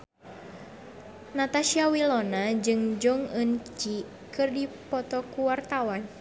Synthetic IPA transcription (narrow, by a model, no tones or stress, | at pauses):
nat̪aʃiawilɔnad͡ʒɨŋd͡ʒɔŋənt͡ʃi | kɨrdipɔt̪ɔkuwart̪awan